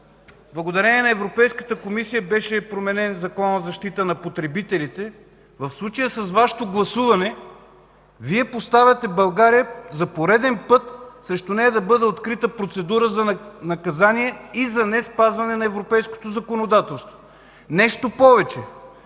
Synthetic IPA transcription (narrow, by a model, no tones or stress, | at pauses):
blˠɐɡod̪ɐɾɛniɛnɐɛvɾopɛjskə̥t̪əkomisijəbɛʃɛpɾomɛnɛnzɐkɔnəzɐʃt̪it̪ənɐpot̪ɾɛbit̪ɛlit̪ɛ | vɐfslˠut͡ʃəjəsɐsvaʃɛ̥t̪oɡlˠɐsuvɐnɛ | viɛpost̪avʲɐt̪ɛbɐlˠɡaɾijəzɐpoɾɛd̪ɛnpɤt̪sɾɛʃt̪ʊnɛjəd̪ɐbɤd̪ɛot̪kɾit̪əpɾot̪sɛd̪uɾəzɐnɐkɐzaniɛizɐnɛspazvɐnɛnɐɛvɾopɛjsko̥t̪ozɐkonod̪at̪ɛlˠst̪vo | nɛʃt̪opɔvɛt͡ʃɛ